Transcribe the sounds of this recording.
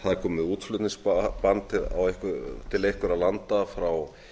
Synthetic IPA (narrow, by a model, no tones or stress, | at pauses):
haðakʰɔːmɪðuːt̪flʏt̪niŋspant̪t̪ʰɪa̰wehkʏt̪ʰɪlejhkʏɾawlant̪afɾaw